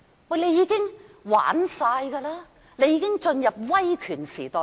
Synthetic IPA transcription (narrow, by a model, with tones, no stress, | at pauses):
wɐ˨˩le˨˧jiː˨˧kɪ˥ŋwa̰ː˨˥nsaː˧jɡaː˧laː˥ | ne˨˧jiː˧˥kɪ˥ŋt͡ʃɵ˧njɐ˨p̚wɐ˥jkʰyː˨˩nsiː˨˩t̪ɔː˨